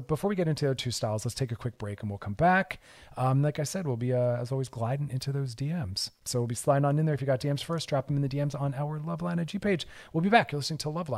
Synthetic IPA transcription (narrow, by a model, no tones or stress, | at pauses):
b̥əfɔɹwiɡɛɾɪ̃ntʉətʰʉstaɪlˠz̥lətstʰeɪkɨkʰw̥ɪk̚b̥ɹeɪkn̩wilˠkʰʌ̃mbæk | ʌ̃laɪkaɪsɛd̚wilˠbiʌəzɔlˠwizɡlaɪd̃ⁿn̩ɪ̃ntʰʉðoʊzdiɛ̃mz̥soʊwilˠbislaɪ̃ŋə̃nɨ̃nðə˞ɨfjɨɡɑt̚d̥iɛ̃mz̥fɜ˞sdɹ̥ɑp̚m̃nðɨdiɛ̃mzn̩aʊə˞lʌvlãɪ̃nɨd͡ʒipʰeɪd͡ʒ | wilˠbibækjə˞lɪsnɪ̃ŋtʰəlʌvlãɪ̃